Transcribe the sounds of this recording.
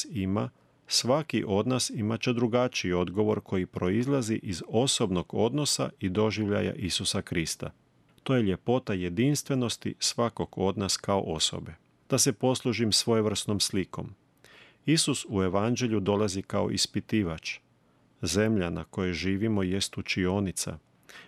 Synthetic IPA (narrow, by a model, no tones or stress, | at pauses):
ima̰ | sʋakiʔo̞d̪nasimat͡ʃed̪ɾuɡat͡ʃio̞d̪ɡo̞ʋo̞ɾkʰo̞jipɾo̞izlˠaziʔizo̞so̞bno̞ɡo̞d̪no̞sa̰id̪o̞ʒiʋʎa̰ja̰ʔisusakɾist̪a̰ | t̪o̞jeʎe̞po̞t̪aje̞d̪inst̪ʋe̞no̞st̪ḭsʋakoɡ̥o̞d̪naskao̞̰ʔo̞so̰be̞ | d̪̥ase̞po̞slˠuʒimsʋo̞jeʋr̩sno̞msliko̞̰m | isusue̞ʋand͡ʒe̞ʎud̪o̞lazikao̞̰ʔḭspit̪iːʋat͡ʃ | ze̞mʎanako̞jeʒiːʋimo̞jest̪ut͡ʃio̞ːnit̪sa̰